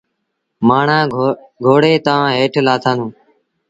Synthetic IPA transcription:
maːɳãː | ɡʱoːɽeːt̪ãːɦeːʈʰlaːt̪ʰãːnũː

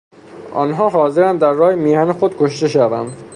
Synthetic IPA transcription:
ʔɒ̰ːnɦɒːɦɒːzeɾænd̪æɾːɒːjemiːhænexod̪kʰoʃt̪e̞ʃævænd̪

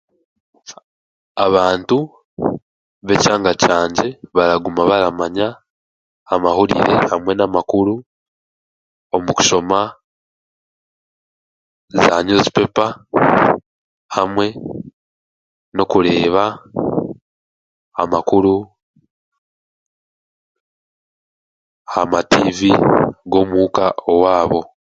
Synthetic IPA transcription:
aβaːntu | βe̞caːŋɡacaːɲɟe̞βaɾaɡumaβaɾamaɲaː | mahuɾḭɾe̞̰hamwe̞namakuɾu | omuku̥ʃo̞ma | zaɲozi̥pe̞pa | hamwe̞ | no̞kuɾe̞ːβa | a̰makuɾu | amativiɡo̞mukaowaːβo̞

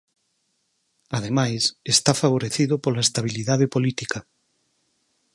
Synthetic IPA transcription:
að̞emajsest̪afaβ̞oɾeθiðʊpolaest̪aβ̞iliðaðepolit̪ikɐ

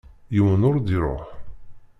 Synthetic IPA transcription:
jəwənʊɾd̪iɾˤo̰ħ

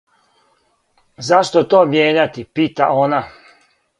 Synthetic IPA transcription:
zaʃt̪ot̪oːmjeːɲat̪ipiːt̪a̰ona

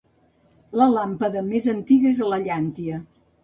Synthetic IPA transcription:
ləlampəðəmezənt̪iɣəezələʎant̪iə

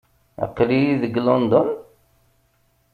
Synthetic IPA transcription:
ə̰qːlijiðəɡlɔnd̪ɔn

